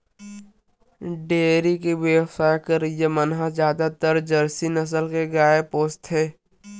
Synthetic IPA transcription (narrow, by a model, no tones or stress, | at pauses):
ɖeːɾikiʋewsaːjkəɾjemənɦazjaːd̪at̪əɾd͡ʒɐɾsinəs̬əlkeɡaːepoːst̪ɦeː